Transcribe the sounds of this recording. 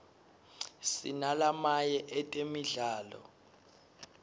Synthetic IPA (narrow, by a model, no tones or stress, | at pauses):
sḭnalamajɛʔɛtʼemiɮaːlɔ̰